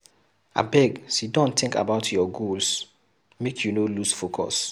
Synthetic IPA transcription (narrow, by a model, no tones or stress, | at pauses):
a̰bɛɡsidɔ̃nt̪ʰɪ̃ŋka̰baʊtʰjɔɡols | mekʰjunolusfokʰɔ̰s